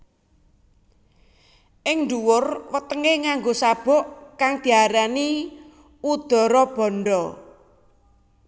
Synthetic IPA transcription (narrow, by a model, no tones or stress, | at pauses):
ʔɪŋnduwʊrwət̪əŋeŋaŋɡosab̥ɔ̤ʔkaŋd̪̥i̤aɾani | ud̪̥ɔ̤ɾɔb̥ɔ̤nɖɔ